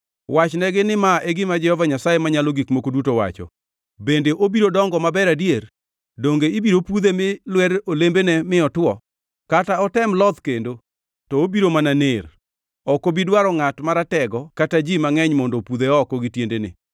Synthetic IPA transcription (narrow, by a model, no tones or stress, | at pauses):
wat͡ʃnɛɡɪnɪmaʔeɡɪmad͡ʒɛhɔvaɲasajemaɲalɔɡikmokodutowa̰t͡ʃɔ̰ | bendeʔobiɾodɔŋɡɔmabɛɾadier | doŋɡeibiɾopud̪emɪlwɛɾolembenɛmɪɔtwɔ | kataɔtɛmlɔd̪kendo | tɔobiɾomananer | ɔkobidwaɾɔŋatmaɾatɛɡɔkatad͡ʒimaŋɛɲmɔndopuðeɔkɔɡɪtjendenɪ̰